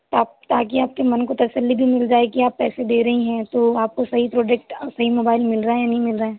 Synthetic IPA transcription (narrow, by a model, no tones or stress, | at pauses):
t̪aːpt̪aːkiaːp̚kemɐnkot̪ɐsəlːibʱimɪld͡ʒaːekiaːpːɛːsed̪eːɾɐɦiɦɛ̃t̪oaːp̚kosɐɦipɾoːd͡ʒɛːkʈːsɐɦimoːbaːɪlmɪlɾaenɐɦĩmɪlɾaɦẽː